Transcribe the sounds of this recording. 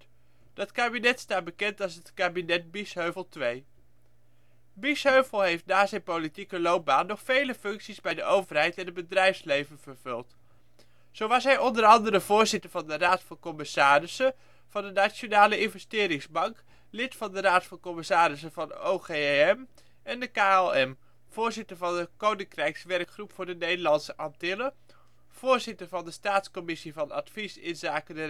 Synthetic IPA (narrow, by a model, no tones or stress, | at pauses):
d̥ɑtkaːbinɛtstaːt̚bəkɛntɑlˠsətkaːbinɛd̚bisɦøɥvəlˠtʋej | bisɦøɥvəlˠɦejftnaːzɛjnpolitikəlowp̚baːnːɔχfejləfɵŋksizbɛjdəʔowvəɹɦɛjtɛnəd̚bədrɛjfslejvənv̥əɹv̥ɵlˠt | z̥owʋɑsɦɛjɔndəɾɑndərəvʊːɹzɪtəɹvɑndəraːtfɑnkɔmɪsaːrɪsə | v̥ɑndənat͡ʃonaːləɪnvəstɪːɾɪŋzbɑŋk | lɪtfɑndəɾaːtfɑnkɔmɪsaːɾɪsəvɑnowχeɛm | ɛndəkaɛlˠɛm | v̥ʊːɹzɪtəɹvɑndəkownɪŋkrɛjksʋɛrkχrupfʊːɹdənejdəɹlɑnsəʔɑntɪlə | v̥ʊːɹzɪtəɹvɑndəstaːtskɔmɪsivɑnɑ̰tfisɪ̰nzaːkədə